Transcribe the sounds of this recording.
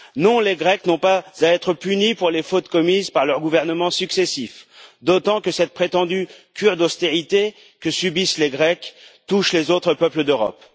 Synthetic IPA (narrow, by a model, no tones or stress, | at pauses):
nɔ̃leɡʁɛknɔ̃pazaɛt̪χəpynipuʁlefot̪kɔmizpaʁlœʁɡuvɛʁnəmɑ̃syksɛsifd̪ot̪ɑ̃kəsɛt̪̚pχet̪ɑ̃d̪ykʲʰyʁd̪ɔst̪eʁit̪e | kəsybisleɡʁɛkt̪uʃlezot̪χəpœpləd̪øʁɔ̰p